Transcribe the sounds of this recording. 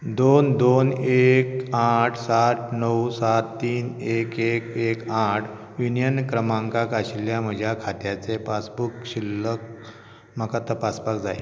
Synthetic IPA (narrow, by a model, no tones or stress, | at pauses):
d̪ond̪onekaʈʰsaʈʰnəwsat̪ːiːnekekekaʈʰ | junijənkɾəmãŋkãkaɕiljam̤əd͡ʑʱjakʰat̪jat͡sepasbukɕilːək̚ | m̤akat̪əpaspakd͡zaje